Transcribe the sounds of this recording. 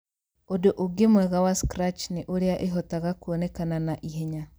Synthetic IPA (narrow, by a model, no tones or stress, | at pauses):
odoʔoɡemwɛɣawaskɾat͡ʃneʔoɾeaʔeɦɔtaɣakuɔnekananaʔiɦeɲa